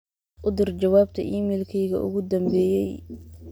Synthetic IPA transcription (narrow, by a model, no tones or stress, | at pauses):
ʔʊd̪ɪrd͡ʒɐwaːb̚t̪ʰɐ̰ʔiːmɛːlkʰɛjɣɐ̰ʔʊ̰ɣʊd̪ɐmbɛːjɛj